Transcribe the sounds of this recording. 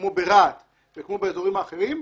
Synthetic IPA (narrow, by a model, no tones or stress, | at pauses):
mobeʁat̪ | vekmo̞beezo̞ʁimaːχe̞ʁim